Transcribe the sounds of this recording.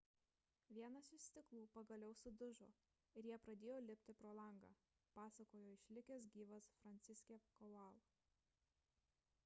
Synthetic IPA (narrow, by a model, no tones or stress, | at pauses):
ʋʲiɛnɐsɪʃsʲt̪ʲɪklˠuːpɐɡɐlʲɛʊsʊd̪ʊʒo̰ː | ɪɾʲjiɛpɾɐd̪ʲeːjoːlʲɪpʲt̪ʲɪpɾoːlˠɐŋɡɑ̰ː | pɑːsɐkoːjoːɪʃʲlʲɪkʲɛsɡʲiːʋɐsfɾɐnʲt̪sʲɪsʲkʲekɔɑːlˠo